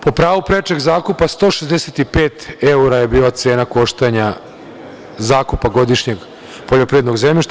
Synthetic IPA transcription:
popɾaːʋupɾet͡ʃeɡzaːkupast̪o̞ːʃezd̪eset̪ipeːt̪euɾaje̞biːlat̪se̞ːnako̞ʃt̪eɲa | zaːkupaɡo̞d̪iʃɲe̞ɡ | poʎopɾiʋed̪no̞ɡzemʎiʃt̪a

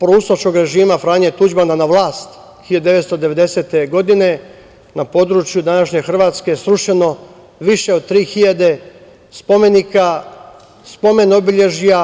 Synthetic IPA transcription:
pɾousot͡ʃko̞ɡɾe̞ʒiːmafɾaːɲet̪ud͡ʒmananaʋlˠaːst̪ | xiʎad̪d̪e̞ʋe̞t̪st̪o̞d̪e̞ʋe̞d̪e̞se̞t̪e̞ɡo̞d̪ine̞ | napo̞ːd̪ɾut͡ʃjud̪anaʃɲe̞xr̩ʋaːt̪ske̞sɾuʃe̞no̞ | ʋiʃe̞od̪̚t̪ɾiːxiʎad̪e̞ | spo̞me̞nika | spo̞me̞no̞biʎe̞ʒija

